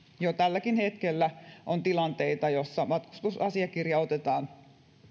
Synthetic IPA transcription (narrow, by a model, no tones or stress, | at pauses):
jot̪ælːækinhet̪kelːæʔont̪ilɑnt̪e̞it̪ɑjo̞sːɑmɑt̪ku̥st̪usɑsiɑkirjɑot̪et̪ɑːn